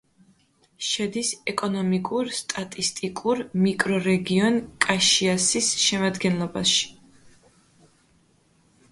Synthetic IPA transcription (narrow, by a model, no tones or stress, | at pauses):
ʃɛd̪isɛkʼɔnɔmikʼuɾst̪ʼat̪ʼist̪ʼikʼuɾmikʼɾɔɾɛɡiɔnkʼaʃiasisʃɛmad̪ɡɛnlˠɔbaʃi̥